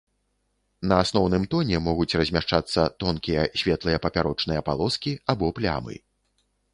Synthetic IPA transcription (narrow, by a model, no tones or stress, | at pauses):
nɐasnɔwnɨmt̪ɔnʲɛmɔɣut͡sʲrɐzʲmʲaʂt͡ʂat̪sːɐt̪ɔnkʲijɐsʲvʲɛt̪lˠɨjɐpɐpʲaɾɔt͡ʂnɨjɐpa̰lˠɔskʲiabɔplʲa̰mɨ̰